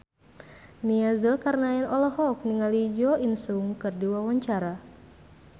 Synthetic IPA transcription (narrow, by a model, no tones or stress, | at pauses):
niazəlkarnaɛnɔlɔɦɔk̚niŋalid͡ʒɔʔinsuŋkɨrdiwawaɲt͡ʃaɾa